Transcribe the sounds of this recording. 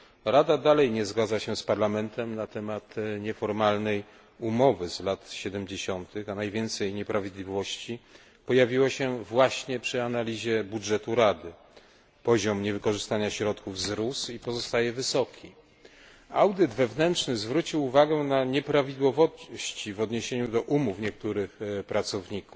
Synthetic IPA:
ɾad̪ad̪alɛjɲɛzɡad̪zaɕɛspaɾlamɛnt̪ɛmnat̪ɛmat̪ɲɛfɔɾmalnɛj | umɔvɘzlat̪ɕɛd̪ɛmd͡ʑeɕɔnt̪ɘxanajvʲjɛnt̪sɛjɲɛpɾavʲid̪lʲivɔɕt͡ɕi | pɔjavʲiwaɕɛvwaɕɲɛpʂɘanalʲiʑɛbudʐɛt̪uɾad̪ɘ | pɔʑɔmɲɛvɘkɔʐɘst̪aɲaɕɾɔt̪kuvzɾusipɔzɔst̪ajɛvɘsɔkʲʰi | awd̪ɘd̪vɛvnɛntʂnɘzvɾut͡ɕiwuvaɡɛnaɲɛpɾavʲid̪wɔvɔɕt͡ɕivɔd̪ɲeɕeɲud̪ɔʔumufɲɛk̚t̪uɾɘxpɾat̪sɔvɲikuf

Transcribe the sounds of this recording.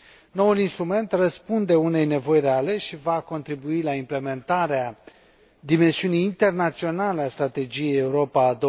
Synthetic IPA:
no̞ulinst̪ɾume̞nt̪rəspund̪e̞une̞jne̞vo̞jreale̞ʃivako̞nt̪ɾibuilaimple̞me̞nt̪aɾea | d̪ime̞nsiunijːnt̪e̞rnat̪sio̞naleast̪ɾat̪e̞d͡ʒije̞jeuɾo̞paːd̪o

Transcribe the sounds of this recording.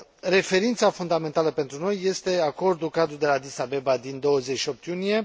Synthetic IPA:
re̞fe̞ɾint̪safund̪ame̞nt̪aləpe̞nt̪ɾuno̞jːe̞st̪e̞ako̞rd̪ulkad̪ɾuld̪e̞lad̪isabe̞bad̪ind̪o̞wəzeʃio̞p̚t̪junije̞

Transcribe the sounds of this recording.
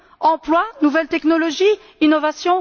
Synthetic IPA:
ɑ̃plwanuvɛlt̪ɛknɔlɔʒi | inɔvasjɔ̃

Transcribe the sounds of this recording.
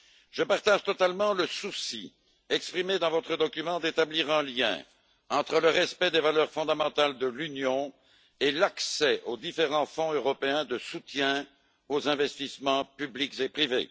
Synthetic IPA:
ʒ̥əpaʁt̪aʒt̪ɔt̪almɑ̃ləsusḭ | ɛkspχimed̪ɑ̃vɔt̪χəd̪ɔkʲymɑ̃d̪et̪abliʁɛ̃ljɛ̰̃ | ɑ̃t̪χələʁɛspɛd̪evalœʁfɔ̃d̪amɑ̃t̪ald̪əlynjɔ̃ | elaksɛʔod̪ifeʁɑ̃fɔ̃øʁɔpeɛ̃d̪əsut̪jɛ̃ | ozɛ̃vɛst̪ismɑ̃pyblikzepχivḛ

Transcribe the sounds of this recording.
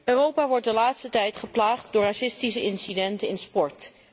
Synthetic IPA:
øːrowpaːʋɔɹt̚dəlaːtstətɛjtχəplaːχtdʊːɹrasɪstisəɪnsidɛntənɪnspɔɹt

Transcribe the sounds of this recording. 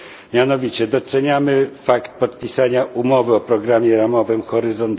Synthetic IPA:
mʲjanɔvʲit͡ɕɛd̪ɔsɛɲamɘfakt̪̚pɔt̪pʲisaɲaʔumɔvɘɔpɾɔɡɾamʲjɛɾamɔvɘmxɔɾɘzɔnt̪

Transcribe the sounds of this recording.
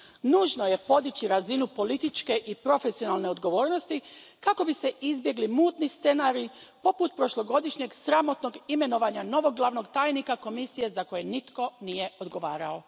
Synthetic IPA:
nuːʒno̞je̞po̞d̪it͡ɕiɾazinupo̞lit̪it͡ʃke̞ʔipɾo̞fe̞sio̞nalˠne̞o̞d̪ɡo̞ʋo̞ːɾno̞st̪ikako̞bise̞ʔizbje̞ɡlimuːt̪nist̪se̞naɾipo̞put̪̚pɾo̞ʃlo̞ɡo̞d̪iʃɲe̞ɡsɾamo̞t̪no̞ɡime̞no̞ʋaɲano̞ʋo̞ɡlˠaʋno̞ɡt̪aːjnikako̞misije̞zako̞je̞nit̪ko̞nije̞o̞d̪ɡo̞ʋaːɾao̞

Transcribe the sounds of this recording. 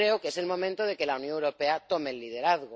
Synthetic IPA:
ɾeokeselmõ̞mẽnt̪oð̞e̞ke̞launjoŋewɾopeat̪omelːið̞e̞ɾaθɣo

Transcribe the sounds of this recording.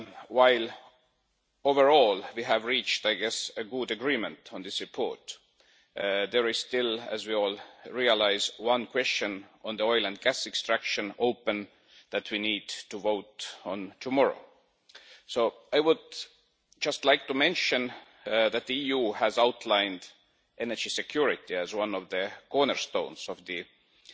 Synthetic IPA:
waɪl | ovəɹɔlwiɦævɹit͡ʃt̪aɪɡɛsəɡʊdəɡɹiːmə̃ntʰõnðɪsɹipʰo̰ɹt | ðeɹɪz̥st̪ɪlæ̰zwioːlɹiəlaɪzwʌ̃nkʰwɛst͡ʃə̃nõnðəoɪlə̃nd̪̚ɡæsɛkstɹ̥ækʃə̃noʊpə̃n | ðæt̪ʰwiniːdtuvoʊtõnt̪ʰumɔɹo̰ | soʊajwʊd̚ | d͡ʒʌst̪laɪk̚t̪umẽnʃə̃n | ðæt̪̚ðiiːjuːhæzawt̪ʰlãɪ̃nd̪ | ʔenəd͡ʒisekʰj̥uɹɪt̪iæzwʌ̃nɔvðəkoɹnəɹst̪õʊ̃nz̥ɔvðɨ

